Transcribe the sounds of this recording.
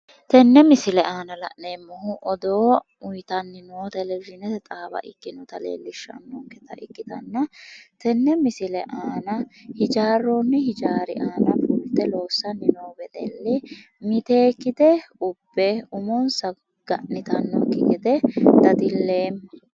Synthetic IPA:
t̪ɛnːɛmɪsɪlɛaːnɐlɐ̰ʔneːmːɔhʊʔɔd̪oː | ʊjt̪ɐnːɪnoːt̪ɛlɛd͡ʒɪnɛɛt̪ʼaːbɐ̰ʔɪkːɪnɔt̪ɐlḛːlːɪʃːɐ̰nːɔkːɛt̪ɐʔɪkːɪt̪ɐ̰nːɐt̪ɛnːɛmɪsɪlɛʔaːnɐhɪd͡ʒaːrːonːɪhɪd͡ʒaːɾɪʔaːnɐpuːɾt̪ːɛlo̞ːsːɐnːɪnoːbɛd̪ɛ̰lːɪ | mɪt̪e̞ːkːɪd̪ɛʊb̥ːɛʊmɔnsɐ | ɡ̥ɐ̰ʔnɪt̪ɐnːɔ̰kːɪɡɪd̪ɛd̪ɐd̪ɪlːe̞ːmːɐ

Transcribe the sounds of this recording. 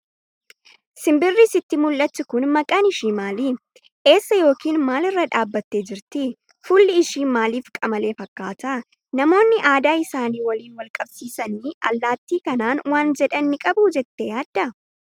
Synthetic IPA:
sɪmbɪrːisɪt̪ːɪmʊlːɐt͡ʃːɪkʊnmɐkʼanɪʃiːmaːli | ʔe̞ːsːɐjo̞ːkiːnmaːlɪrːɐᶑaːbːɐt̪ːe̞ːd͡ʒɪɾt̪ɪ | fʊlːɪɪʃiːnmaːliːfkʼɐmɐle̞ːfɐkːaːt̪ɐ | nɐmo̞ːnːɪʔaːd̪aːɪsaːniːwɐliːnwɐlkʼɐbsiːsɐniːɐ̰lːaːt̪ːiːkɐnaːnwaːnd͡ʒɛᶑɐnːɪkʼɐbuːd͡ʒɛt̪ːejaːd̪ːɐ

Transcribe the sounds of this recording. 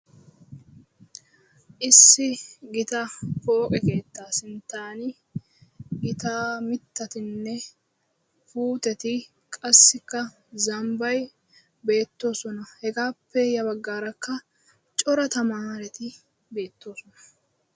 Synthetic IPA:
ʔɪsːɪɡɪt̪ɐfo̞ːkʼɛke̞ːt̪ːaːsɪnt̪aːnɪ | ɡɪt̪aːmɪt̪ːɐt̪ɪnːɛ | fuːt̪ɛt̪ɪ | kʼɐsːɪkːɐ | zɐmbɐj | be̞ːt̪ːo̞ːsɔnɐhɛɡaːpːɛjɐβɐɡːaːɾɐkːɐ | t͡ʃʼɔɾɐt̪ɐmaːɾɛt̪ɪ | be̞ːt̪ːo̞ːsɔnɐ̥

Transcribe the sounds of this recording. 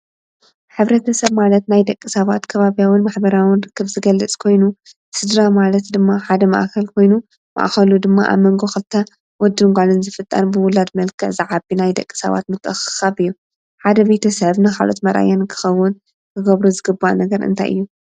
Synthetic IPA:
ħɨβɾɐt̪ʰɐsɐβmalɐt̪najd̪ɐkʼːisɐβat̪kʰɐβaβijawɨnmaħbɐɾawɨnrɨkːɨβzɨɡɐlːɨt͡sʼkʰo̞jnu | sɨd̪ɾamalɐt̪d̪ɨmːaħad̪ɐmɐ̰ʔkʰɐlkʰo̞jnu | mɐ̰ʔxɐlud̪ɨmːaʔa̰mɐŋɡoxɨlt̪ʰːɐ | wɔd̪ːɨŋɡʷalɨnzɨfɨt̪ʼːɐ̰nbɨwʊlad̪mɐlkʰɨʕzɨʕabinajd̪ɐkʼːi̥sɐ̰βa̰t̪mɨt̪ʰʼːɨxɨ̥xaβɨjːu | ħad̪ɐbe̞t̪ʰɐsɐβnɨxa̰lʔo̰t̪mɐɾʔa̰jankʰɨ̥xɐwːʊn | kʰɨɡɐβɾuzɨɡɨbːanɐɡɐɾɨ̰nt̪ʰa̰jʔɨ̰jːu

